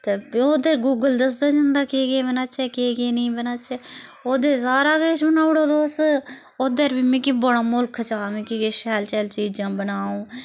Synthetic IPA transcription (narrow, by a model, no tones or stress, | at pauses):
t̪eːoːd̪eɾɡuːɡəld̪əs̬d̪aːd͡ʒãnd̪aːkeɡeːbənaːt͡ʃɛːkeːɡeːnĩːbənaːt͡ʃɛːoːd̪eːs̬aːɾaːkeːt͡ʃbənaːʊɽoːd̪oːs | oːd̪əɾbimĩːkibəɽaːmʊlkʰt͡ʃaːmĩːkikeʃɛːlt͡ʃɛːlt͡ʃiːd͡ʒãːbənaːũː